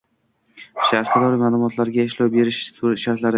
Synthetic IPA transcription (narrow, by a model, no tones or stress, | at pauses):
ʃasqɑd̪ɒɾimaːlˠʊmɒt̪ʰlaɾɡʲaɪʃlawbe̞ɾɪʃʃaɾt̪laɾ